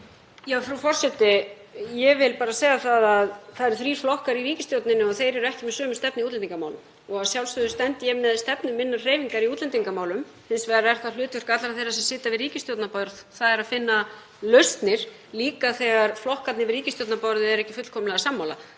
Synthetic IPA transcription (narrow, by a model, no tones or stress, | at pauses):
jafɾufɔr̥sɛt̪ɪ | jɛvɪlpaːɾaseːjɣaθaðaðθaðɛɾʏθɾi̥ːflɔhkaɾiɾiːcɪst̪jowt̪nɪnʏɔθejɾɛɾʏɛhcɪmɛðsœːmʏst̪ɛpnɪiut̪ɛniŋkamaːwlʏm | ɔɣaðsjawlst̪ʏðʏst̪ɛnt̪ɪjɛmɛðst̪ɛpnʏmːɪnːareːjviŋkaɾiuːt̪lɛnt̪iŋkamaːwlʏm | hɪnsvɛɣɾaɛr̥t̪alʏːt̪vʏɾ̥kat̪laɾaθejrːasɛmsɪːt̪avɪðriːcɪst̪jowt̪napɔɾðθaðɛɾaðfɪnːa | lœɥst̪nɪɾ̥ | liːkaθɛɣaɾ̥flɔhkat̪nɪvɪɾriːcɪsjowt̪napɔɾðʏɛɾɛhcɪ̥fʏt̪l̥kʰɔːmɪlɛɣasamːaːwla̰